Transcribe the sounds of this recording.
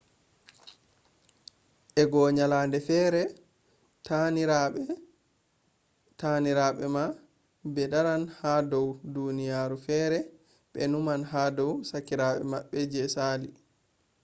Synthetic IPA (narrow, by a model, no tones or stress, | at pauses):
ʔɛɡɔɲalaːndɛfɛɾɛ | taniɾaɓɛma | bɛdaɾanhadɔwdunijaːɾufɛːɾɛ | ɓɛ̰numanɦadɔwsakːiɾaɓɛ̰maɓːɛd͡ʒɛsali